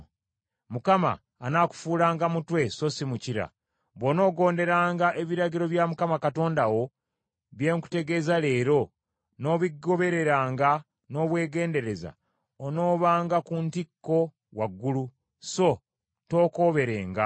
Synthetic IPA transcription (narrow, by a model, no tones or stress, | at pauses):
mukama̰ːnaku̥fuːlaːŋɡamutwe̞so̞simuciɾa̰ | βono̞ːɡo̞ːnde̞ɾaːŋɡaʔe̞βiɾaɟiɾo̞βjamukamakato̞ːndawo̞ | βje̞ːŋku̥te̞ɡe̞zale̞ːɾo̞ | no̞βiɡo̞βe̞ɾe̞ɾaːŋɡa | no̞βwe̞ːɡe̞ːnde̞ɾe̞za̰ | ono̞ːβaːŋɡakuntikːo̞ | waɡːulu | so̞ | to̞ːko̞ːβe̞ɾe̞ːŋɡa